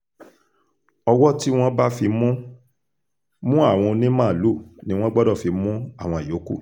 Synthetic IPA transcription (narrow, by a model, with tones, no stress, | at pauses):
ɔ˧wɔ˦ti˦w̃ɔ̃˦ba˦fi˧mũ˦ | mũ˦a˦˨w̃ɔ̃˧o˧nĩ˦mã˦˨lu˦˨nĩ˦w̃ɔ̃˦ɡ͡bɔ˦dɔ˦˨fi˧mũ˦a˦˨w̃ɔ̃˧˨i˨jo˨˦kṵ˦˨